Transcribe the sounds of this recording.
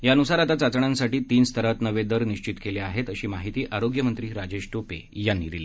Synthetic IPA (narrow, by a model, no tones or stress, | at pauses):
jaənusaɾat̪at͡sat͡sɳãnsaʈiːt̪iːnst̪ʰəɾat̪nəʋed̪əɾniɕt͡ɕit̪keleaɦet̪əɕiːmaɦit̪iːʔʔaɾoɡjəmənt̪ɾiːɾad͡ʑeɕʈopḛjanːḭd̪ile